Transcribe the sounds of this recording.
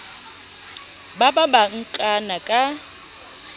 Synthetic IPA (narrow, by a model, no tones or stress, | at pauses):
bababaŋ̩kʼanakʼa